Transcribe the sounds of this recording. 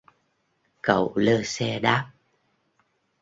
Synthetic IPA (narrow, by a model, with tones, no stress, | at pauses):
kə˧˩˨wləː˧sɛ˧ɗaː˦˥p̚